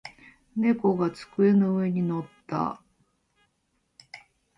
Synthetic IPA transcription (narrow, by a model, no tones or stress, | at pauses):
ne̞ko̞ɡat͡sɨ̥kɯ̟e̞noɯe̞ɲ̟ino̞t̪ːa̰